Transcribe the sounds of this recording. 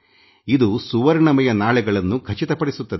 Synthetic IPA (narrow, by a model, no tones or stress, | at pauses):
id̪usuʋɐɾnɐmɐjɐnaːɭɛɡɐɭɐnːukʰɐt͡ʃit̪ɐpɐɽisut̪ːɐd̪e